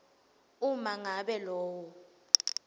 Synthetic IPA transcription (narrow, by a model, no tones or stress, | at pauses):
umaŋaɓɛlɔːwɔ